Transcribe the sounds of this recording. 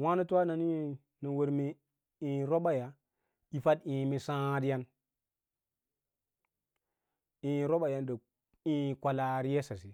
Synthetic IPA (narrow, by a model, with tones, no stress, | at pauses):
wa˦nu˦tu˦wa˦na˨ni˦ | ni˨wo˨ɾmi˨ | i˨ɾo˦ɓa˨ja˨ | i˨fa˦dĩ˨mi˦sã˦di˦ja˦n | ĩ˨ɾo˦ɓa˨ja˦nda˨ | i˨kʷa˨la˨ɾi˦je˦sa˨si˨